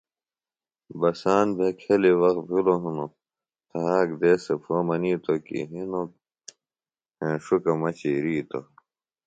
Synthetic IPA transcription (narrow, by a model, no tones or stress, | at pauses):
bɐsaːnbʱekʰeliwɐx̚bʱiloɦuno | t̪ʰɐɦaːkd̪eːsepʰoːmɐniːt̪okḭɦino | ẽʂukɐmɐt͡ɕiɾiːt̪o